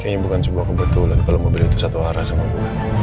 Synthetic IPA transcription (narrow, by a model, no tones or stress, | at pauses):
kaɲabukansəbuahkəbət̪ulankaloməmbəliːt̪usat̪uaɾasamatu